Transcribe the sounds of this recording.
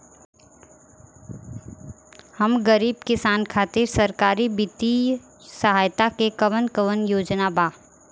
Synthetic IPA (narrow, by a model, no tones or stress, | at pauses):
hɐmɡəɾiːbkɪsaːnkʰaːt̪ɪɾsɐɾkaːɾibɪt̪i | səɦaːjt̪akekəʋənkəʋənjoːd͡ʒnabaː